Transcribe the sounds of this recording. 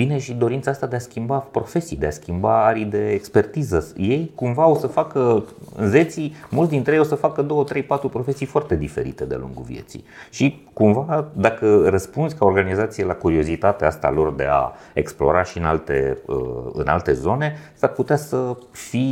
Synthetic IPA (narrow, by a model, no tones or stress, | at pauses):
bine̞ʃid̪o̞ɾint̪saast̪ad̪easkʲimbapɾo̞fe̞sijd̪easkʲimbaaɾid̪e̞ːkspe̞rt̪izəje̞jkumvaosəfakəɨ̰nze̞t̪simult̪sd̪int̪ɾejosəfakəd̪o̞wət̪ɾe̞jpat̪ɾupɾo̞fe̞sijfoart̪e̞d̪ife̞̰ɾḭt̪e̞d̪ea̰lṵŋɡṵvḭe̞̰t̪sḭʃi | kumvad̪akərəspundzʲkao̞rɡanizat̪sijelakuɾio̞zit̪at̪east̪aa̰lo̞rd̪e̞̰a̰ | ḛksplo̞̰ɾaʃiɨna̰lt̪e̞̰ə̰ɨ̰na̰lt̪e̞zo̞ne̞sarput̪easəfi